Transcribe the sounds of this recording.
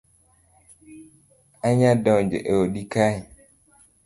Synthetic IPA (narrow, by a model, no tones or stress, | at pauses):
aɲadɔnd͡ʒḛʔeoɗikaɲi